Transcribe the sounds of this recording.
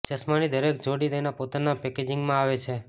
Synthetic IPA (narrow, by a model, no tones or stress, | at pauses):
d͡ʒəsmanid̪əɾek̚d͡ʒoɽid̪əjnapot̪anapɛked͡ʒɪŋɡmãaʋet͡ʃʰe